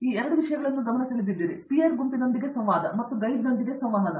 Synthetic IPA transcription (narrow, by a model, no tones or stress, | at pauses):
iːɛɾɐɽuʋiʂɐjɐɡɐɭɐnːuɡɐmɐɳɐt̪ɐɭid̪id̪ːiːɾipijɐɾɡumpinond̪iɡesɐmʋaːd̪ɐmɐt̪ːuɡɐjd̪inond̪iɡesɐmʋɐɦɐnɐ